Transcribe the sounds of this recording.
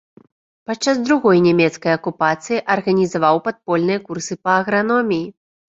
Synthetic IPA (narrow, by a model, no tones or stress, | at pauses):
pat͡ʂːazd̪ɾuɣɔjnʲɛmʲɛt̪skɐjɐkupat̪sɨjiʔɐrɣɐnʲizavawpat̪̚pɔlʲnɨjɐkursɨpɐːɣɾanɔmʲiji